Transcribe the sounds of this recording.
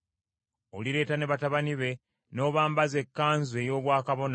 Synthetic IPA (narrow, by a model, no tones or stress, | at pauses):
o̰liɾe̞ːtane̞βataβaniβe̞ | no̞ːβaːmbaze̞kːaːnzwe̞ːjo̞ːβwaːkaβo̞na